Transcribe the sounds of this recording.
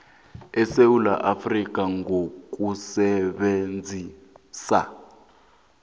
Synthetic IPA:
ɛsewula̰ʔafrik̬ʼaŋɡʱok̬ʼusɛɓend͡zʱi | sa̰

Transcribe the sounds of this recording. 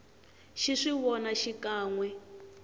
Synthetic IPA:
ʃiʂiβɔnaʃikaːŋwɛ

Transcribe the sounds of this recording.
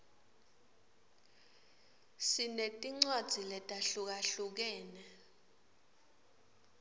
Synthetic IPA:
sinetʼiŋ͡ǀwad̥z̥ʱilɛtʼaɬuk̬aɬuk̬ɛːnɛ

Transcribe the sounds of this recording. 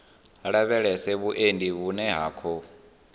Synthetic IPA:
ɺaβɛɺɛsɛβuʔendʱʼiβunɛɦa̰ːkʰɔ

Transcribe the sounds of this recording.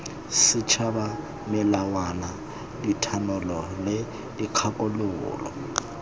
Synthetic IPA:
sɪt͡ʃʰaba | mɪlawana | ditʰanɔlɔlɪ | diq͡χʰapʼʊlʊːlɔ̰

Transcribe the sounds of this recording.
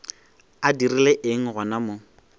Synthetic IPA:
adirileʔɪŋ̩ɣʊnamo

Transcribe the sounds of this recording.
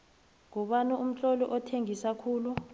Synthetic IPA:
ŋɔɓanuum̩t͡ɬʼɔlɔʔɔtʰeŋisakʰuːlu

